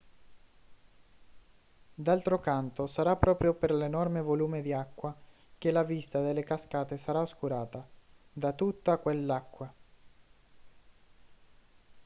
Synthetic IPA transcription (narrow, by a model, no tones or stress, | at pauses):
d̪alt̪ɾokant̪osaɾapːɾɔːpɾjoperlenɔrmevoluːmed̪iakːwa | k̟elavist̪ad̪elːekaskaːt̪esaɾaoskuɾaːt̪ad̪at̪ut̪ːakwelːakːwa